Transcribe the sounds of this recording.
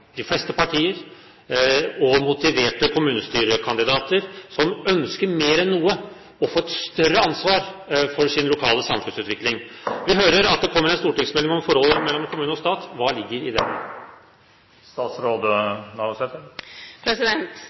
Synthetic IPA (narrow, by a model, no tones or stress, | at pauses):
d̪ɪflɛst̪əpɑʈʰiːəɾ | ɔmʊt̪ɪʋeːʈəkʰʊmʉːnəst̪yːɾəkʰɑnd̪ɪd̪ɑːt̪əɾsɔmœnskəɾmeːɾɛnːuːə | ɔfoːɛt̪st̪œɾəɑnsʋɑːɾfɔɾʂɪnlʊkʰɑːləsɑmfʉnsʉːt̪ʋɪklɪŋʋɪɦøːɾəɾɑt̪̚d̪ɛkʰɔmːəɾɛɪnst̪uːʈɪŋsmɛlːɪŋɔmfɔɾhɔlːmɛlːɔmkʰʊmʉːnəɔst̪ɑːt̪ʋɑːlɪɡːəɾɪd̪ɛ̰ | st̪ɑːt̪sɾoːd̪ənɑsɛt̪əpʰɾɛsɪd̪ɛnt̪